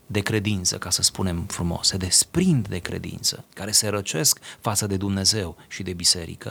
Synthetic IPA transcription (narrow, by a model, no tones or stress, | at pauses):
d̪e̞kɾe̞d̪int̪səkasəspune̞mfɾumo̞̰sed̪e̞spɾind̪d̪e̞kɾḛd̪ḭnt̪sə̰kaɾe̞se̞ɾət͡ʃe̞skfat̪səd̪e̞d̪umne̞ze̞wʃid̪e̞bise̞̰ɾḭkə